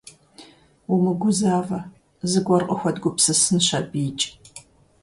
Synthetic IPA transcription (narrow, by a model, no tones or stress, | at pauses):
wumɨɡʷʊzaːvɐ | zɨɡʷɔrqʼəxʷɔdɡʷʊpsɨsɨnɕɐbiːt͡ʃʼ